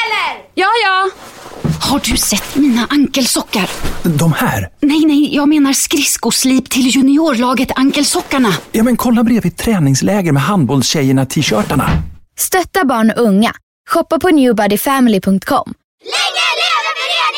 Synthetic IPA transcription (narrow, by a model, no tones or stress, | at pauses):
jɑːjɑː | haɖɵsɛt̪ːmiːnaʔaŋkəlsɔkːaɾd̪ɔmhæ̰ːɾnɛjnɛjjɑːɡmeːnaɾskɾɪskʊsliːpt̪ʰɪljɵnɪoːɾɭɑːɡət̪aŋkəlsɔkːaɳajɑːmɛnkʰɔlːabɾeːvɪt̪ʰːɾɛːnɪŋslɛːɡəɾmɛɦand̪̚bɔːlsɕɛjəɳat̪ʰiːɕœːʈaɳa̰st̪œt̪ːabɑːɳʔɵŋːa̰ | ɧɔpːapʰɔnjʉːbaɖɪfɛmɪlɪpʰɵŋk̚t̪̚kʰɔ̰mː